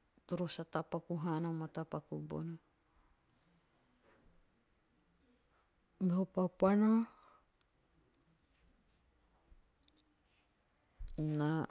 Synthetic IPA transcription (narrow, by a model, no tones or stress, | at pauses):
t̪oɾosat̪apakuɦanamat̪apakṵbo̰na | meɦopapana | na